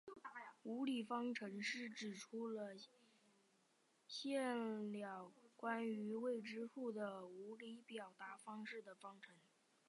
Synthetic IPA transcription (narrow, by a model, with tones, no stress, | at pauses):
u˧˥li˨˩fɑ˥ŋʈ͡ʂʰɤ˧˥ŋʂɻ̩˥˩ʈ͡ʂɻ̩˨˩ʈ͡ʂʰu˥lə˨ | ɕjɛ˥˩nljɑ˨˩ʊkwa˥ny˧˥we˥˩ɪʈ͡ʂɻ̩˥ʂu˥˩d̪ə˩u˧˥li˧˥pjɑ˨˩ʊt̪a˧˥fɑ˥ŋʂɻ̩˥˩d̪ə˩fɑ˥ŋʈ͡ʂʰɤ˧˥ŋ